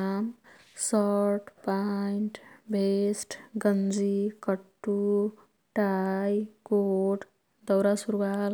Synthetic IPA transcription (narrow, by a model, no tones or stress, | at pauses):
am | sʌʈpajinʈbʱesʈɡʌnd͡zikʌʈːu | ʈajkoʈ | d̪ʌwɾasuɾwal